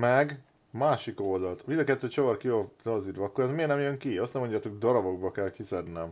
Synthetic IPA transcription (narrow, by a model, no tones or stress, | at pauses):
mɛɡ | maːʃiko̞ld̪ɒlt̪vid̪ɒkɛt̪ːøːt͡ʃovɒrkiozɒziːɾvɒɒkːoɾɛzmeːrnɛmjøŋkiɒst̪nɛmːo̞ɲɟaːt̪o̞kɡd̪ɒɾɒbo̞ɡbɒkɛlkisɛd̪nɛm